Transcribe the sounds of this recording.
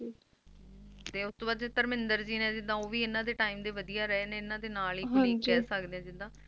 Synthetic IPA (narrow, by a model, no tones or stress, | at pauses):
t̪eːʊst̪õːbaːd̪ɛːt̪əɾmɪnd̪əɾd͡ʒiːnɛ̃ːd͡ʒɪd̪ãːoːʋiːɪnãːd̪eːʈaːiːmd̪eːʋəd̪ijaːɾɛnɛ̃ːɪnãːd̪eːnaːliːkɦɾiːkːɛːsəkd̪eːãːd͡ʒɪd̪ãː